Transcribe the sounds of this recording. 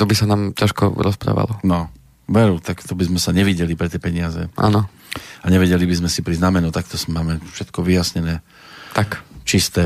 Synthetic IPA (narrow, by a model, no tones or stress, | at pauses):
t̪ɔbisanaːmcaʃkɔ̰ɾɔspɾa̰ːʋa̰lɔnɔ | ʋɛɾut̪akt̪ɔbizmɛsaɲɛʋiɟɛlipɾɛt̪ɪjɛpɛɲɪazɛʔa̰ːnɔ | aɲɛʋɛɟɛlibizmɛsipɾiznamɛnut̪akt̪ɔsmaːmɛfʃɛt̪kɔʋijasɲɛnɛː | t̪akt͡ʃist̪ɛ